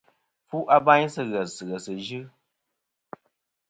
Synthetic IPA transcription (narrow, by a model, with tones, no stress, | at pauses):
fu˦ʔa˦ba˦ɲsɨ˦ɣə˨sɨ˨ɣə˨sɨ˨d͡ʒɨ˦